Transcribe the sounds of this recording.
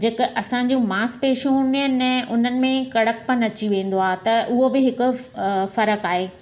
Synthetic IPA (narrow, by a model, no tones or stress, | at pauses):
d͡ʑeːkʔɐsãɲ̆d͡ʑũːmaːspeːʃũɦũːənɛ̃ʔʊn̤ənɪ̆mẽkɐɽək̚pɐnɐt͡ɕiʋẽːn̆d̪oaːt̪ɐʔʊɦobɪɦɪkʊ̆fɐɾəkaːɦeː